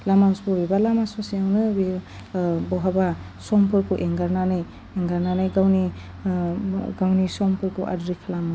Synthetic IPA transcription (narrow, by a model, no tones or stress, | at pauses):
lamawsbuɾibalamasɔsiawnɯbi | bɔɦaba | sɔmpʰɯɾkuʔeŋɡaɾnanaj | eŋɡaɾnanajɡawni | ɡawnisɔmpʰɯɾkʰuʔa̰dɾikʰalama